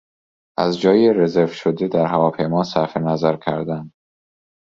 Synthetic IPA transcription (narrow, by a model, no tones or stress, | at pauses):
ʔæzd͡ʒɒːjere̞zeɾvʃod̪ed̪æɾɦævɒːpʰe̞jmɒːsæfe̞næzæɾcʲʰæ̰ɾd̪ænd̪